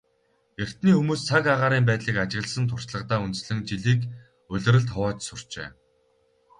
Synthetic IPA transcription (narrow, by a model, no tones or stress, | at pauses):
jer̥ʲt̪niːxumuːst͡sʰakaʁaːɾiːmpæːt̪ɮiːkat͡ɕɪ̆ɣə̆ɮsə̆nt̪ʰʊr̥t͡ɕɮə̆qt̪aːunt̪̆sɮɘ̆ŋt͡ɕiɮiːk | ɵɮʲɘ̆ɾə̆ɮt̪ʰɔwɔːt͡ɕsʊr̥t͡ɕḛː